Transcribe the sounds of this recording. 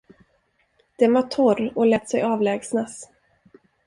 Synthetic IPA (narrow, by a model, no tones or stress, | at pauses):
d̪̥ɛnvaʈʰɔrɔlɛːt̪ːsɛjɑːvlɛːɡsnas